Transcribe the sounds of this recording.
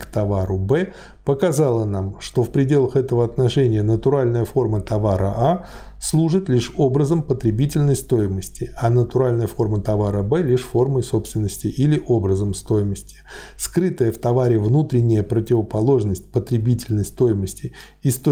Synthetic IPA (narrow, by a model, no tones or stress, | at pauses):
kt̪ɐvaɾʊbɛ | pəkɐzalˠənamʂt̪o̞fpɾʲɪdʲe̞lˠəxɛt̪əvəɐt̪nɐʂɛnʲɪjənət̪ʊɾalʲnəjəfo̞rmət̪ɐvaɾʔə̰ʔa | slˠuʐɨt̪lʲiʂo̞bɾəzəmpət̪ɾʲɪbʲitʲɪlʲnəjst̪o̞jɪməsʲtʲɪanət̪ʊɾalʲnəjəfo̞rmət̪ɐvaɾəbɛlʲiʂfo̞rməjso̞pst̪vʲɪnːəsʲtʲɪʔilʲɪʔobɾəzəmst̪o̞jɪməsʲtʲɪ̥skɾɨt̪əjəft̪ɐvaɾʲɪvnut̪ɾʲɪnʲːɪjəpɾətʲɪvəpɐlˠo̞ʐnəsʲtʲpət̪ɾʲɪbʲitʲɪlʲnəjst̪o̞jɪməsʲtʲɪ | ist̪o